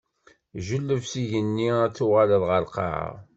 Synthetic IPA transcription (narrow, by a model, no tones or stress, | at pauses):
ʒəlːəvsiʝənːiæt͡sːʊʁaləðˤʁəlqɑ̰ʕa̰